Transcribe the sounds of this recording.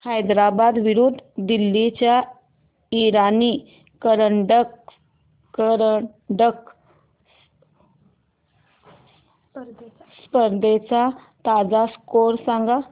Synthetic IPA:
hajd̪ɾabad̪ʋiɾud̪ʱd̪ilːit͡ɕja | iɾaniː | kəɾəɳɖəkː | əɾ | ɖək | spəɾd̪ʱet͡sa | t̪ad͡zaskoɾsãŋɡa

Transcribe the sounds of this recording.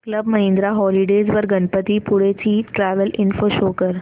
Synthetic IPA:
kləbməɦẽnd̪ɾaɦɔliɖed͡zʋəɾɡənpət̪ipuɽet͡ɕiːʈɾæʋəlinfoɕokəɾ

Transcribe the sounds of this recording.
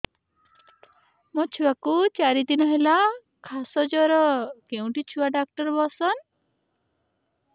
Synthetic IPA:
mɔt͡ʃʰuwakut͡ʃaɾid̪inɔɦela | kʰasɔd͡ʒɔɾɔkeũʈit͡ʃʰuwaɖak̚ʈɔɾbɔsɔn

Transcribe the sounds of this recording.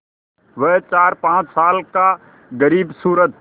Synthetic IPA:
ʋəɦt͡ʃaːɾpãːt͡ʃsaːlka | ɡəɾiːbsuːɾət̪̚

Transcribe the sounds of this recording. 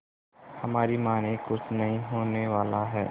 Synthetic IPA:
hɐmaːɾimaːnekʊt͡ʃʰnɐɦĩɦoːneʋaːlaɦɛː

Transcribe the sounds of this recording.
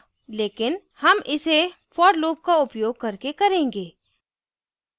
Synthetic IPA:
leːkɪn | hɐmʔɪse | fɔːɖloːp̚kaʊpjoːɡ̚kɐɾkekɐɾẽːŋɡeː

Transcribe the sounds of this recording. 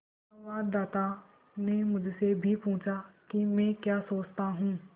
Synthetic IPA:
nʋaːd̪ːaːt̪aː | neːmʊd͡ʒʱsebʱiːpũːt͡ʃaːkimɛ̃ːkjaːsoːt͡ʃt̪aːɦũː

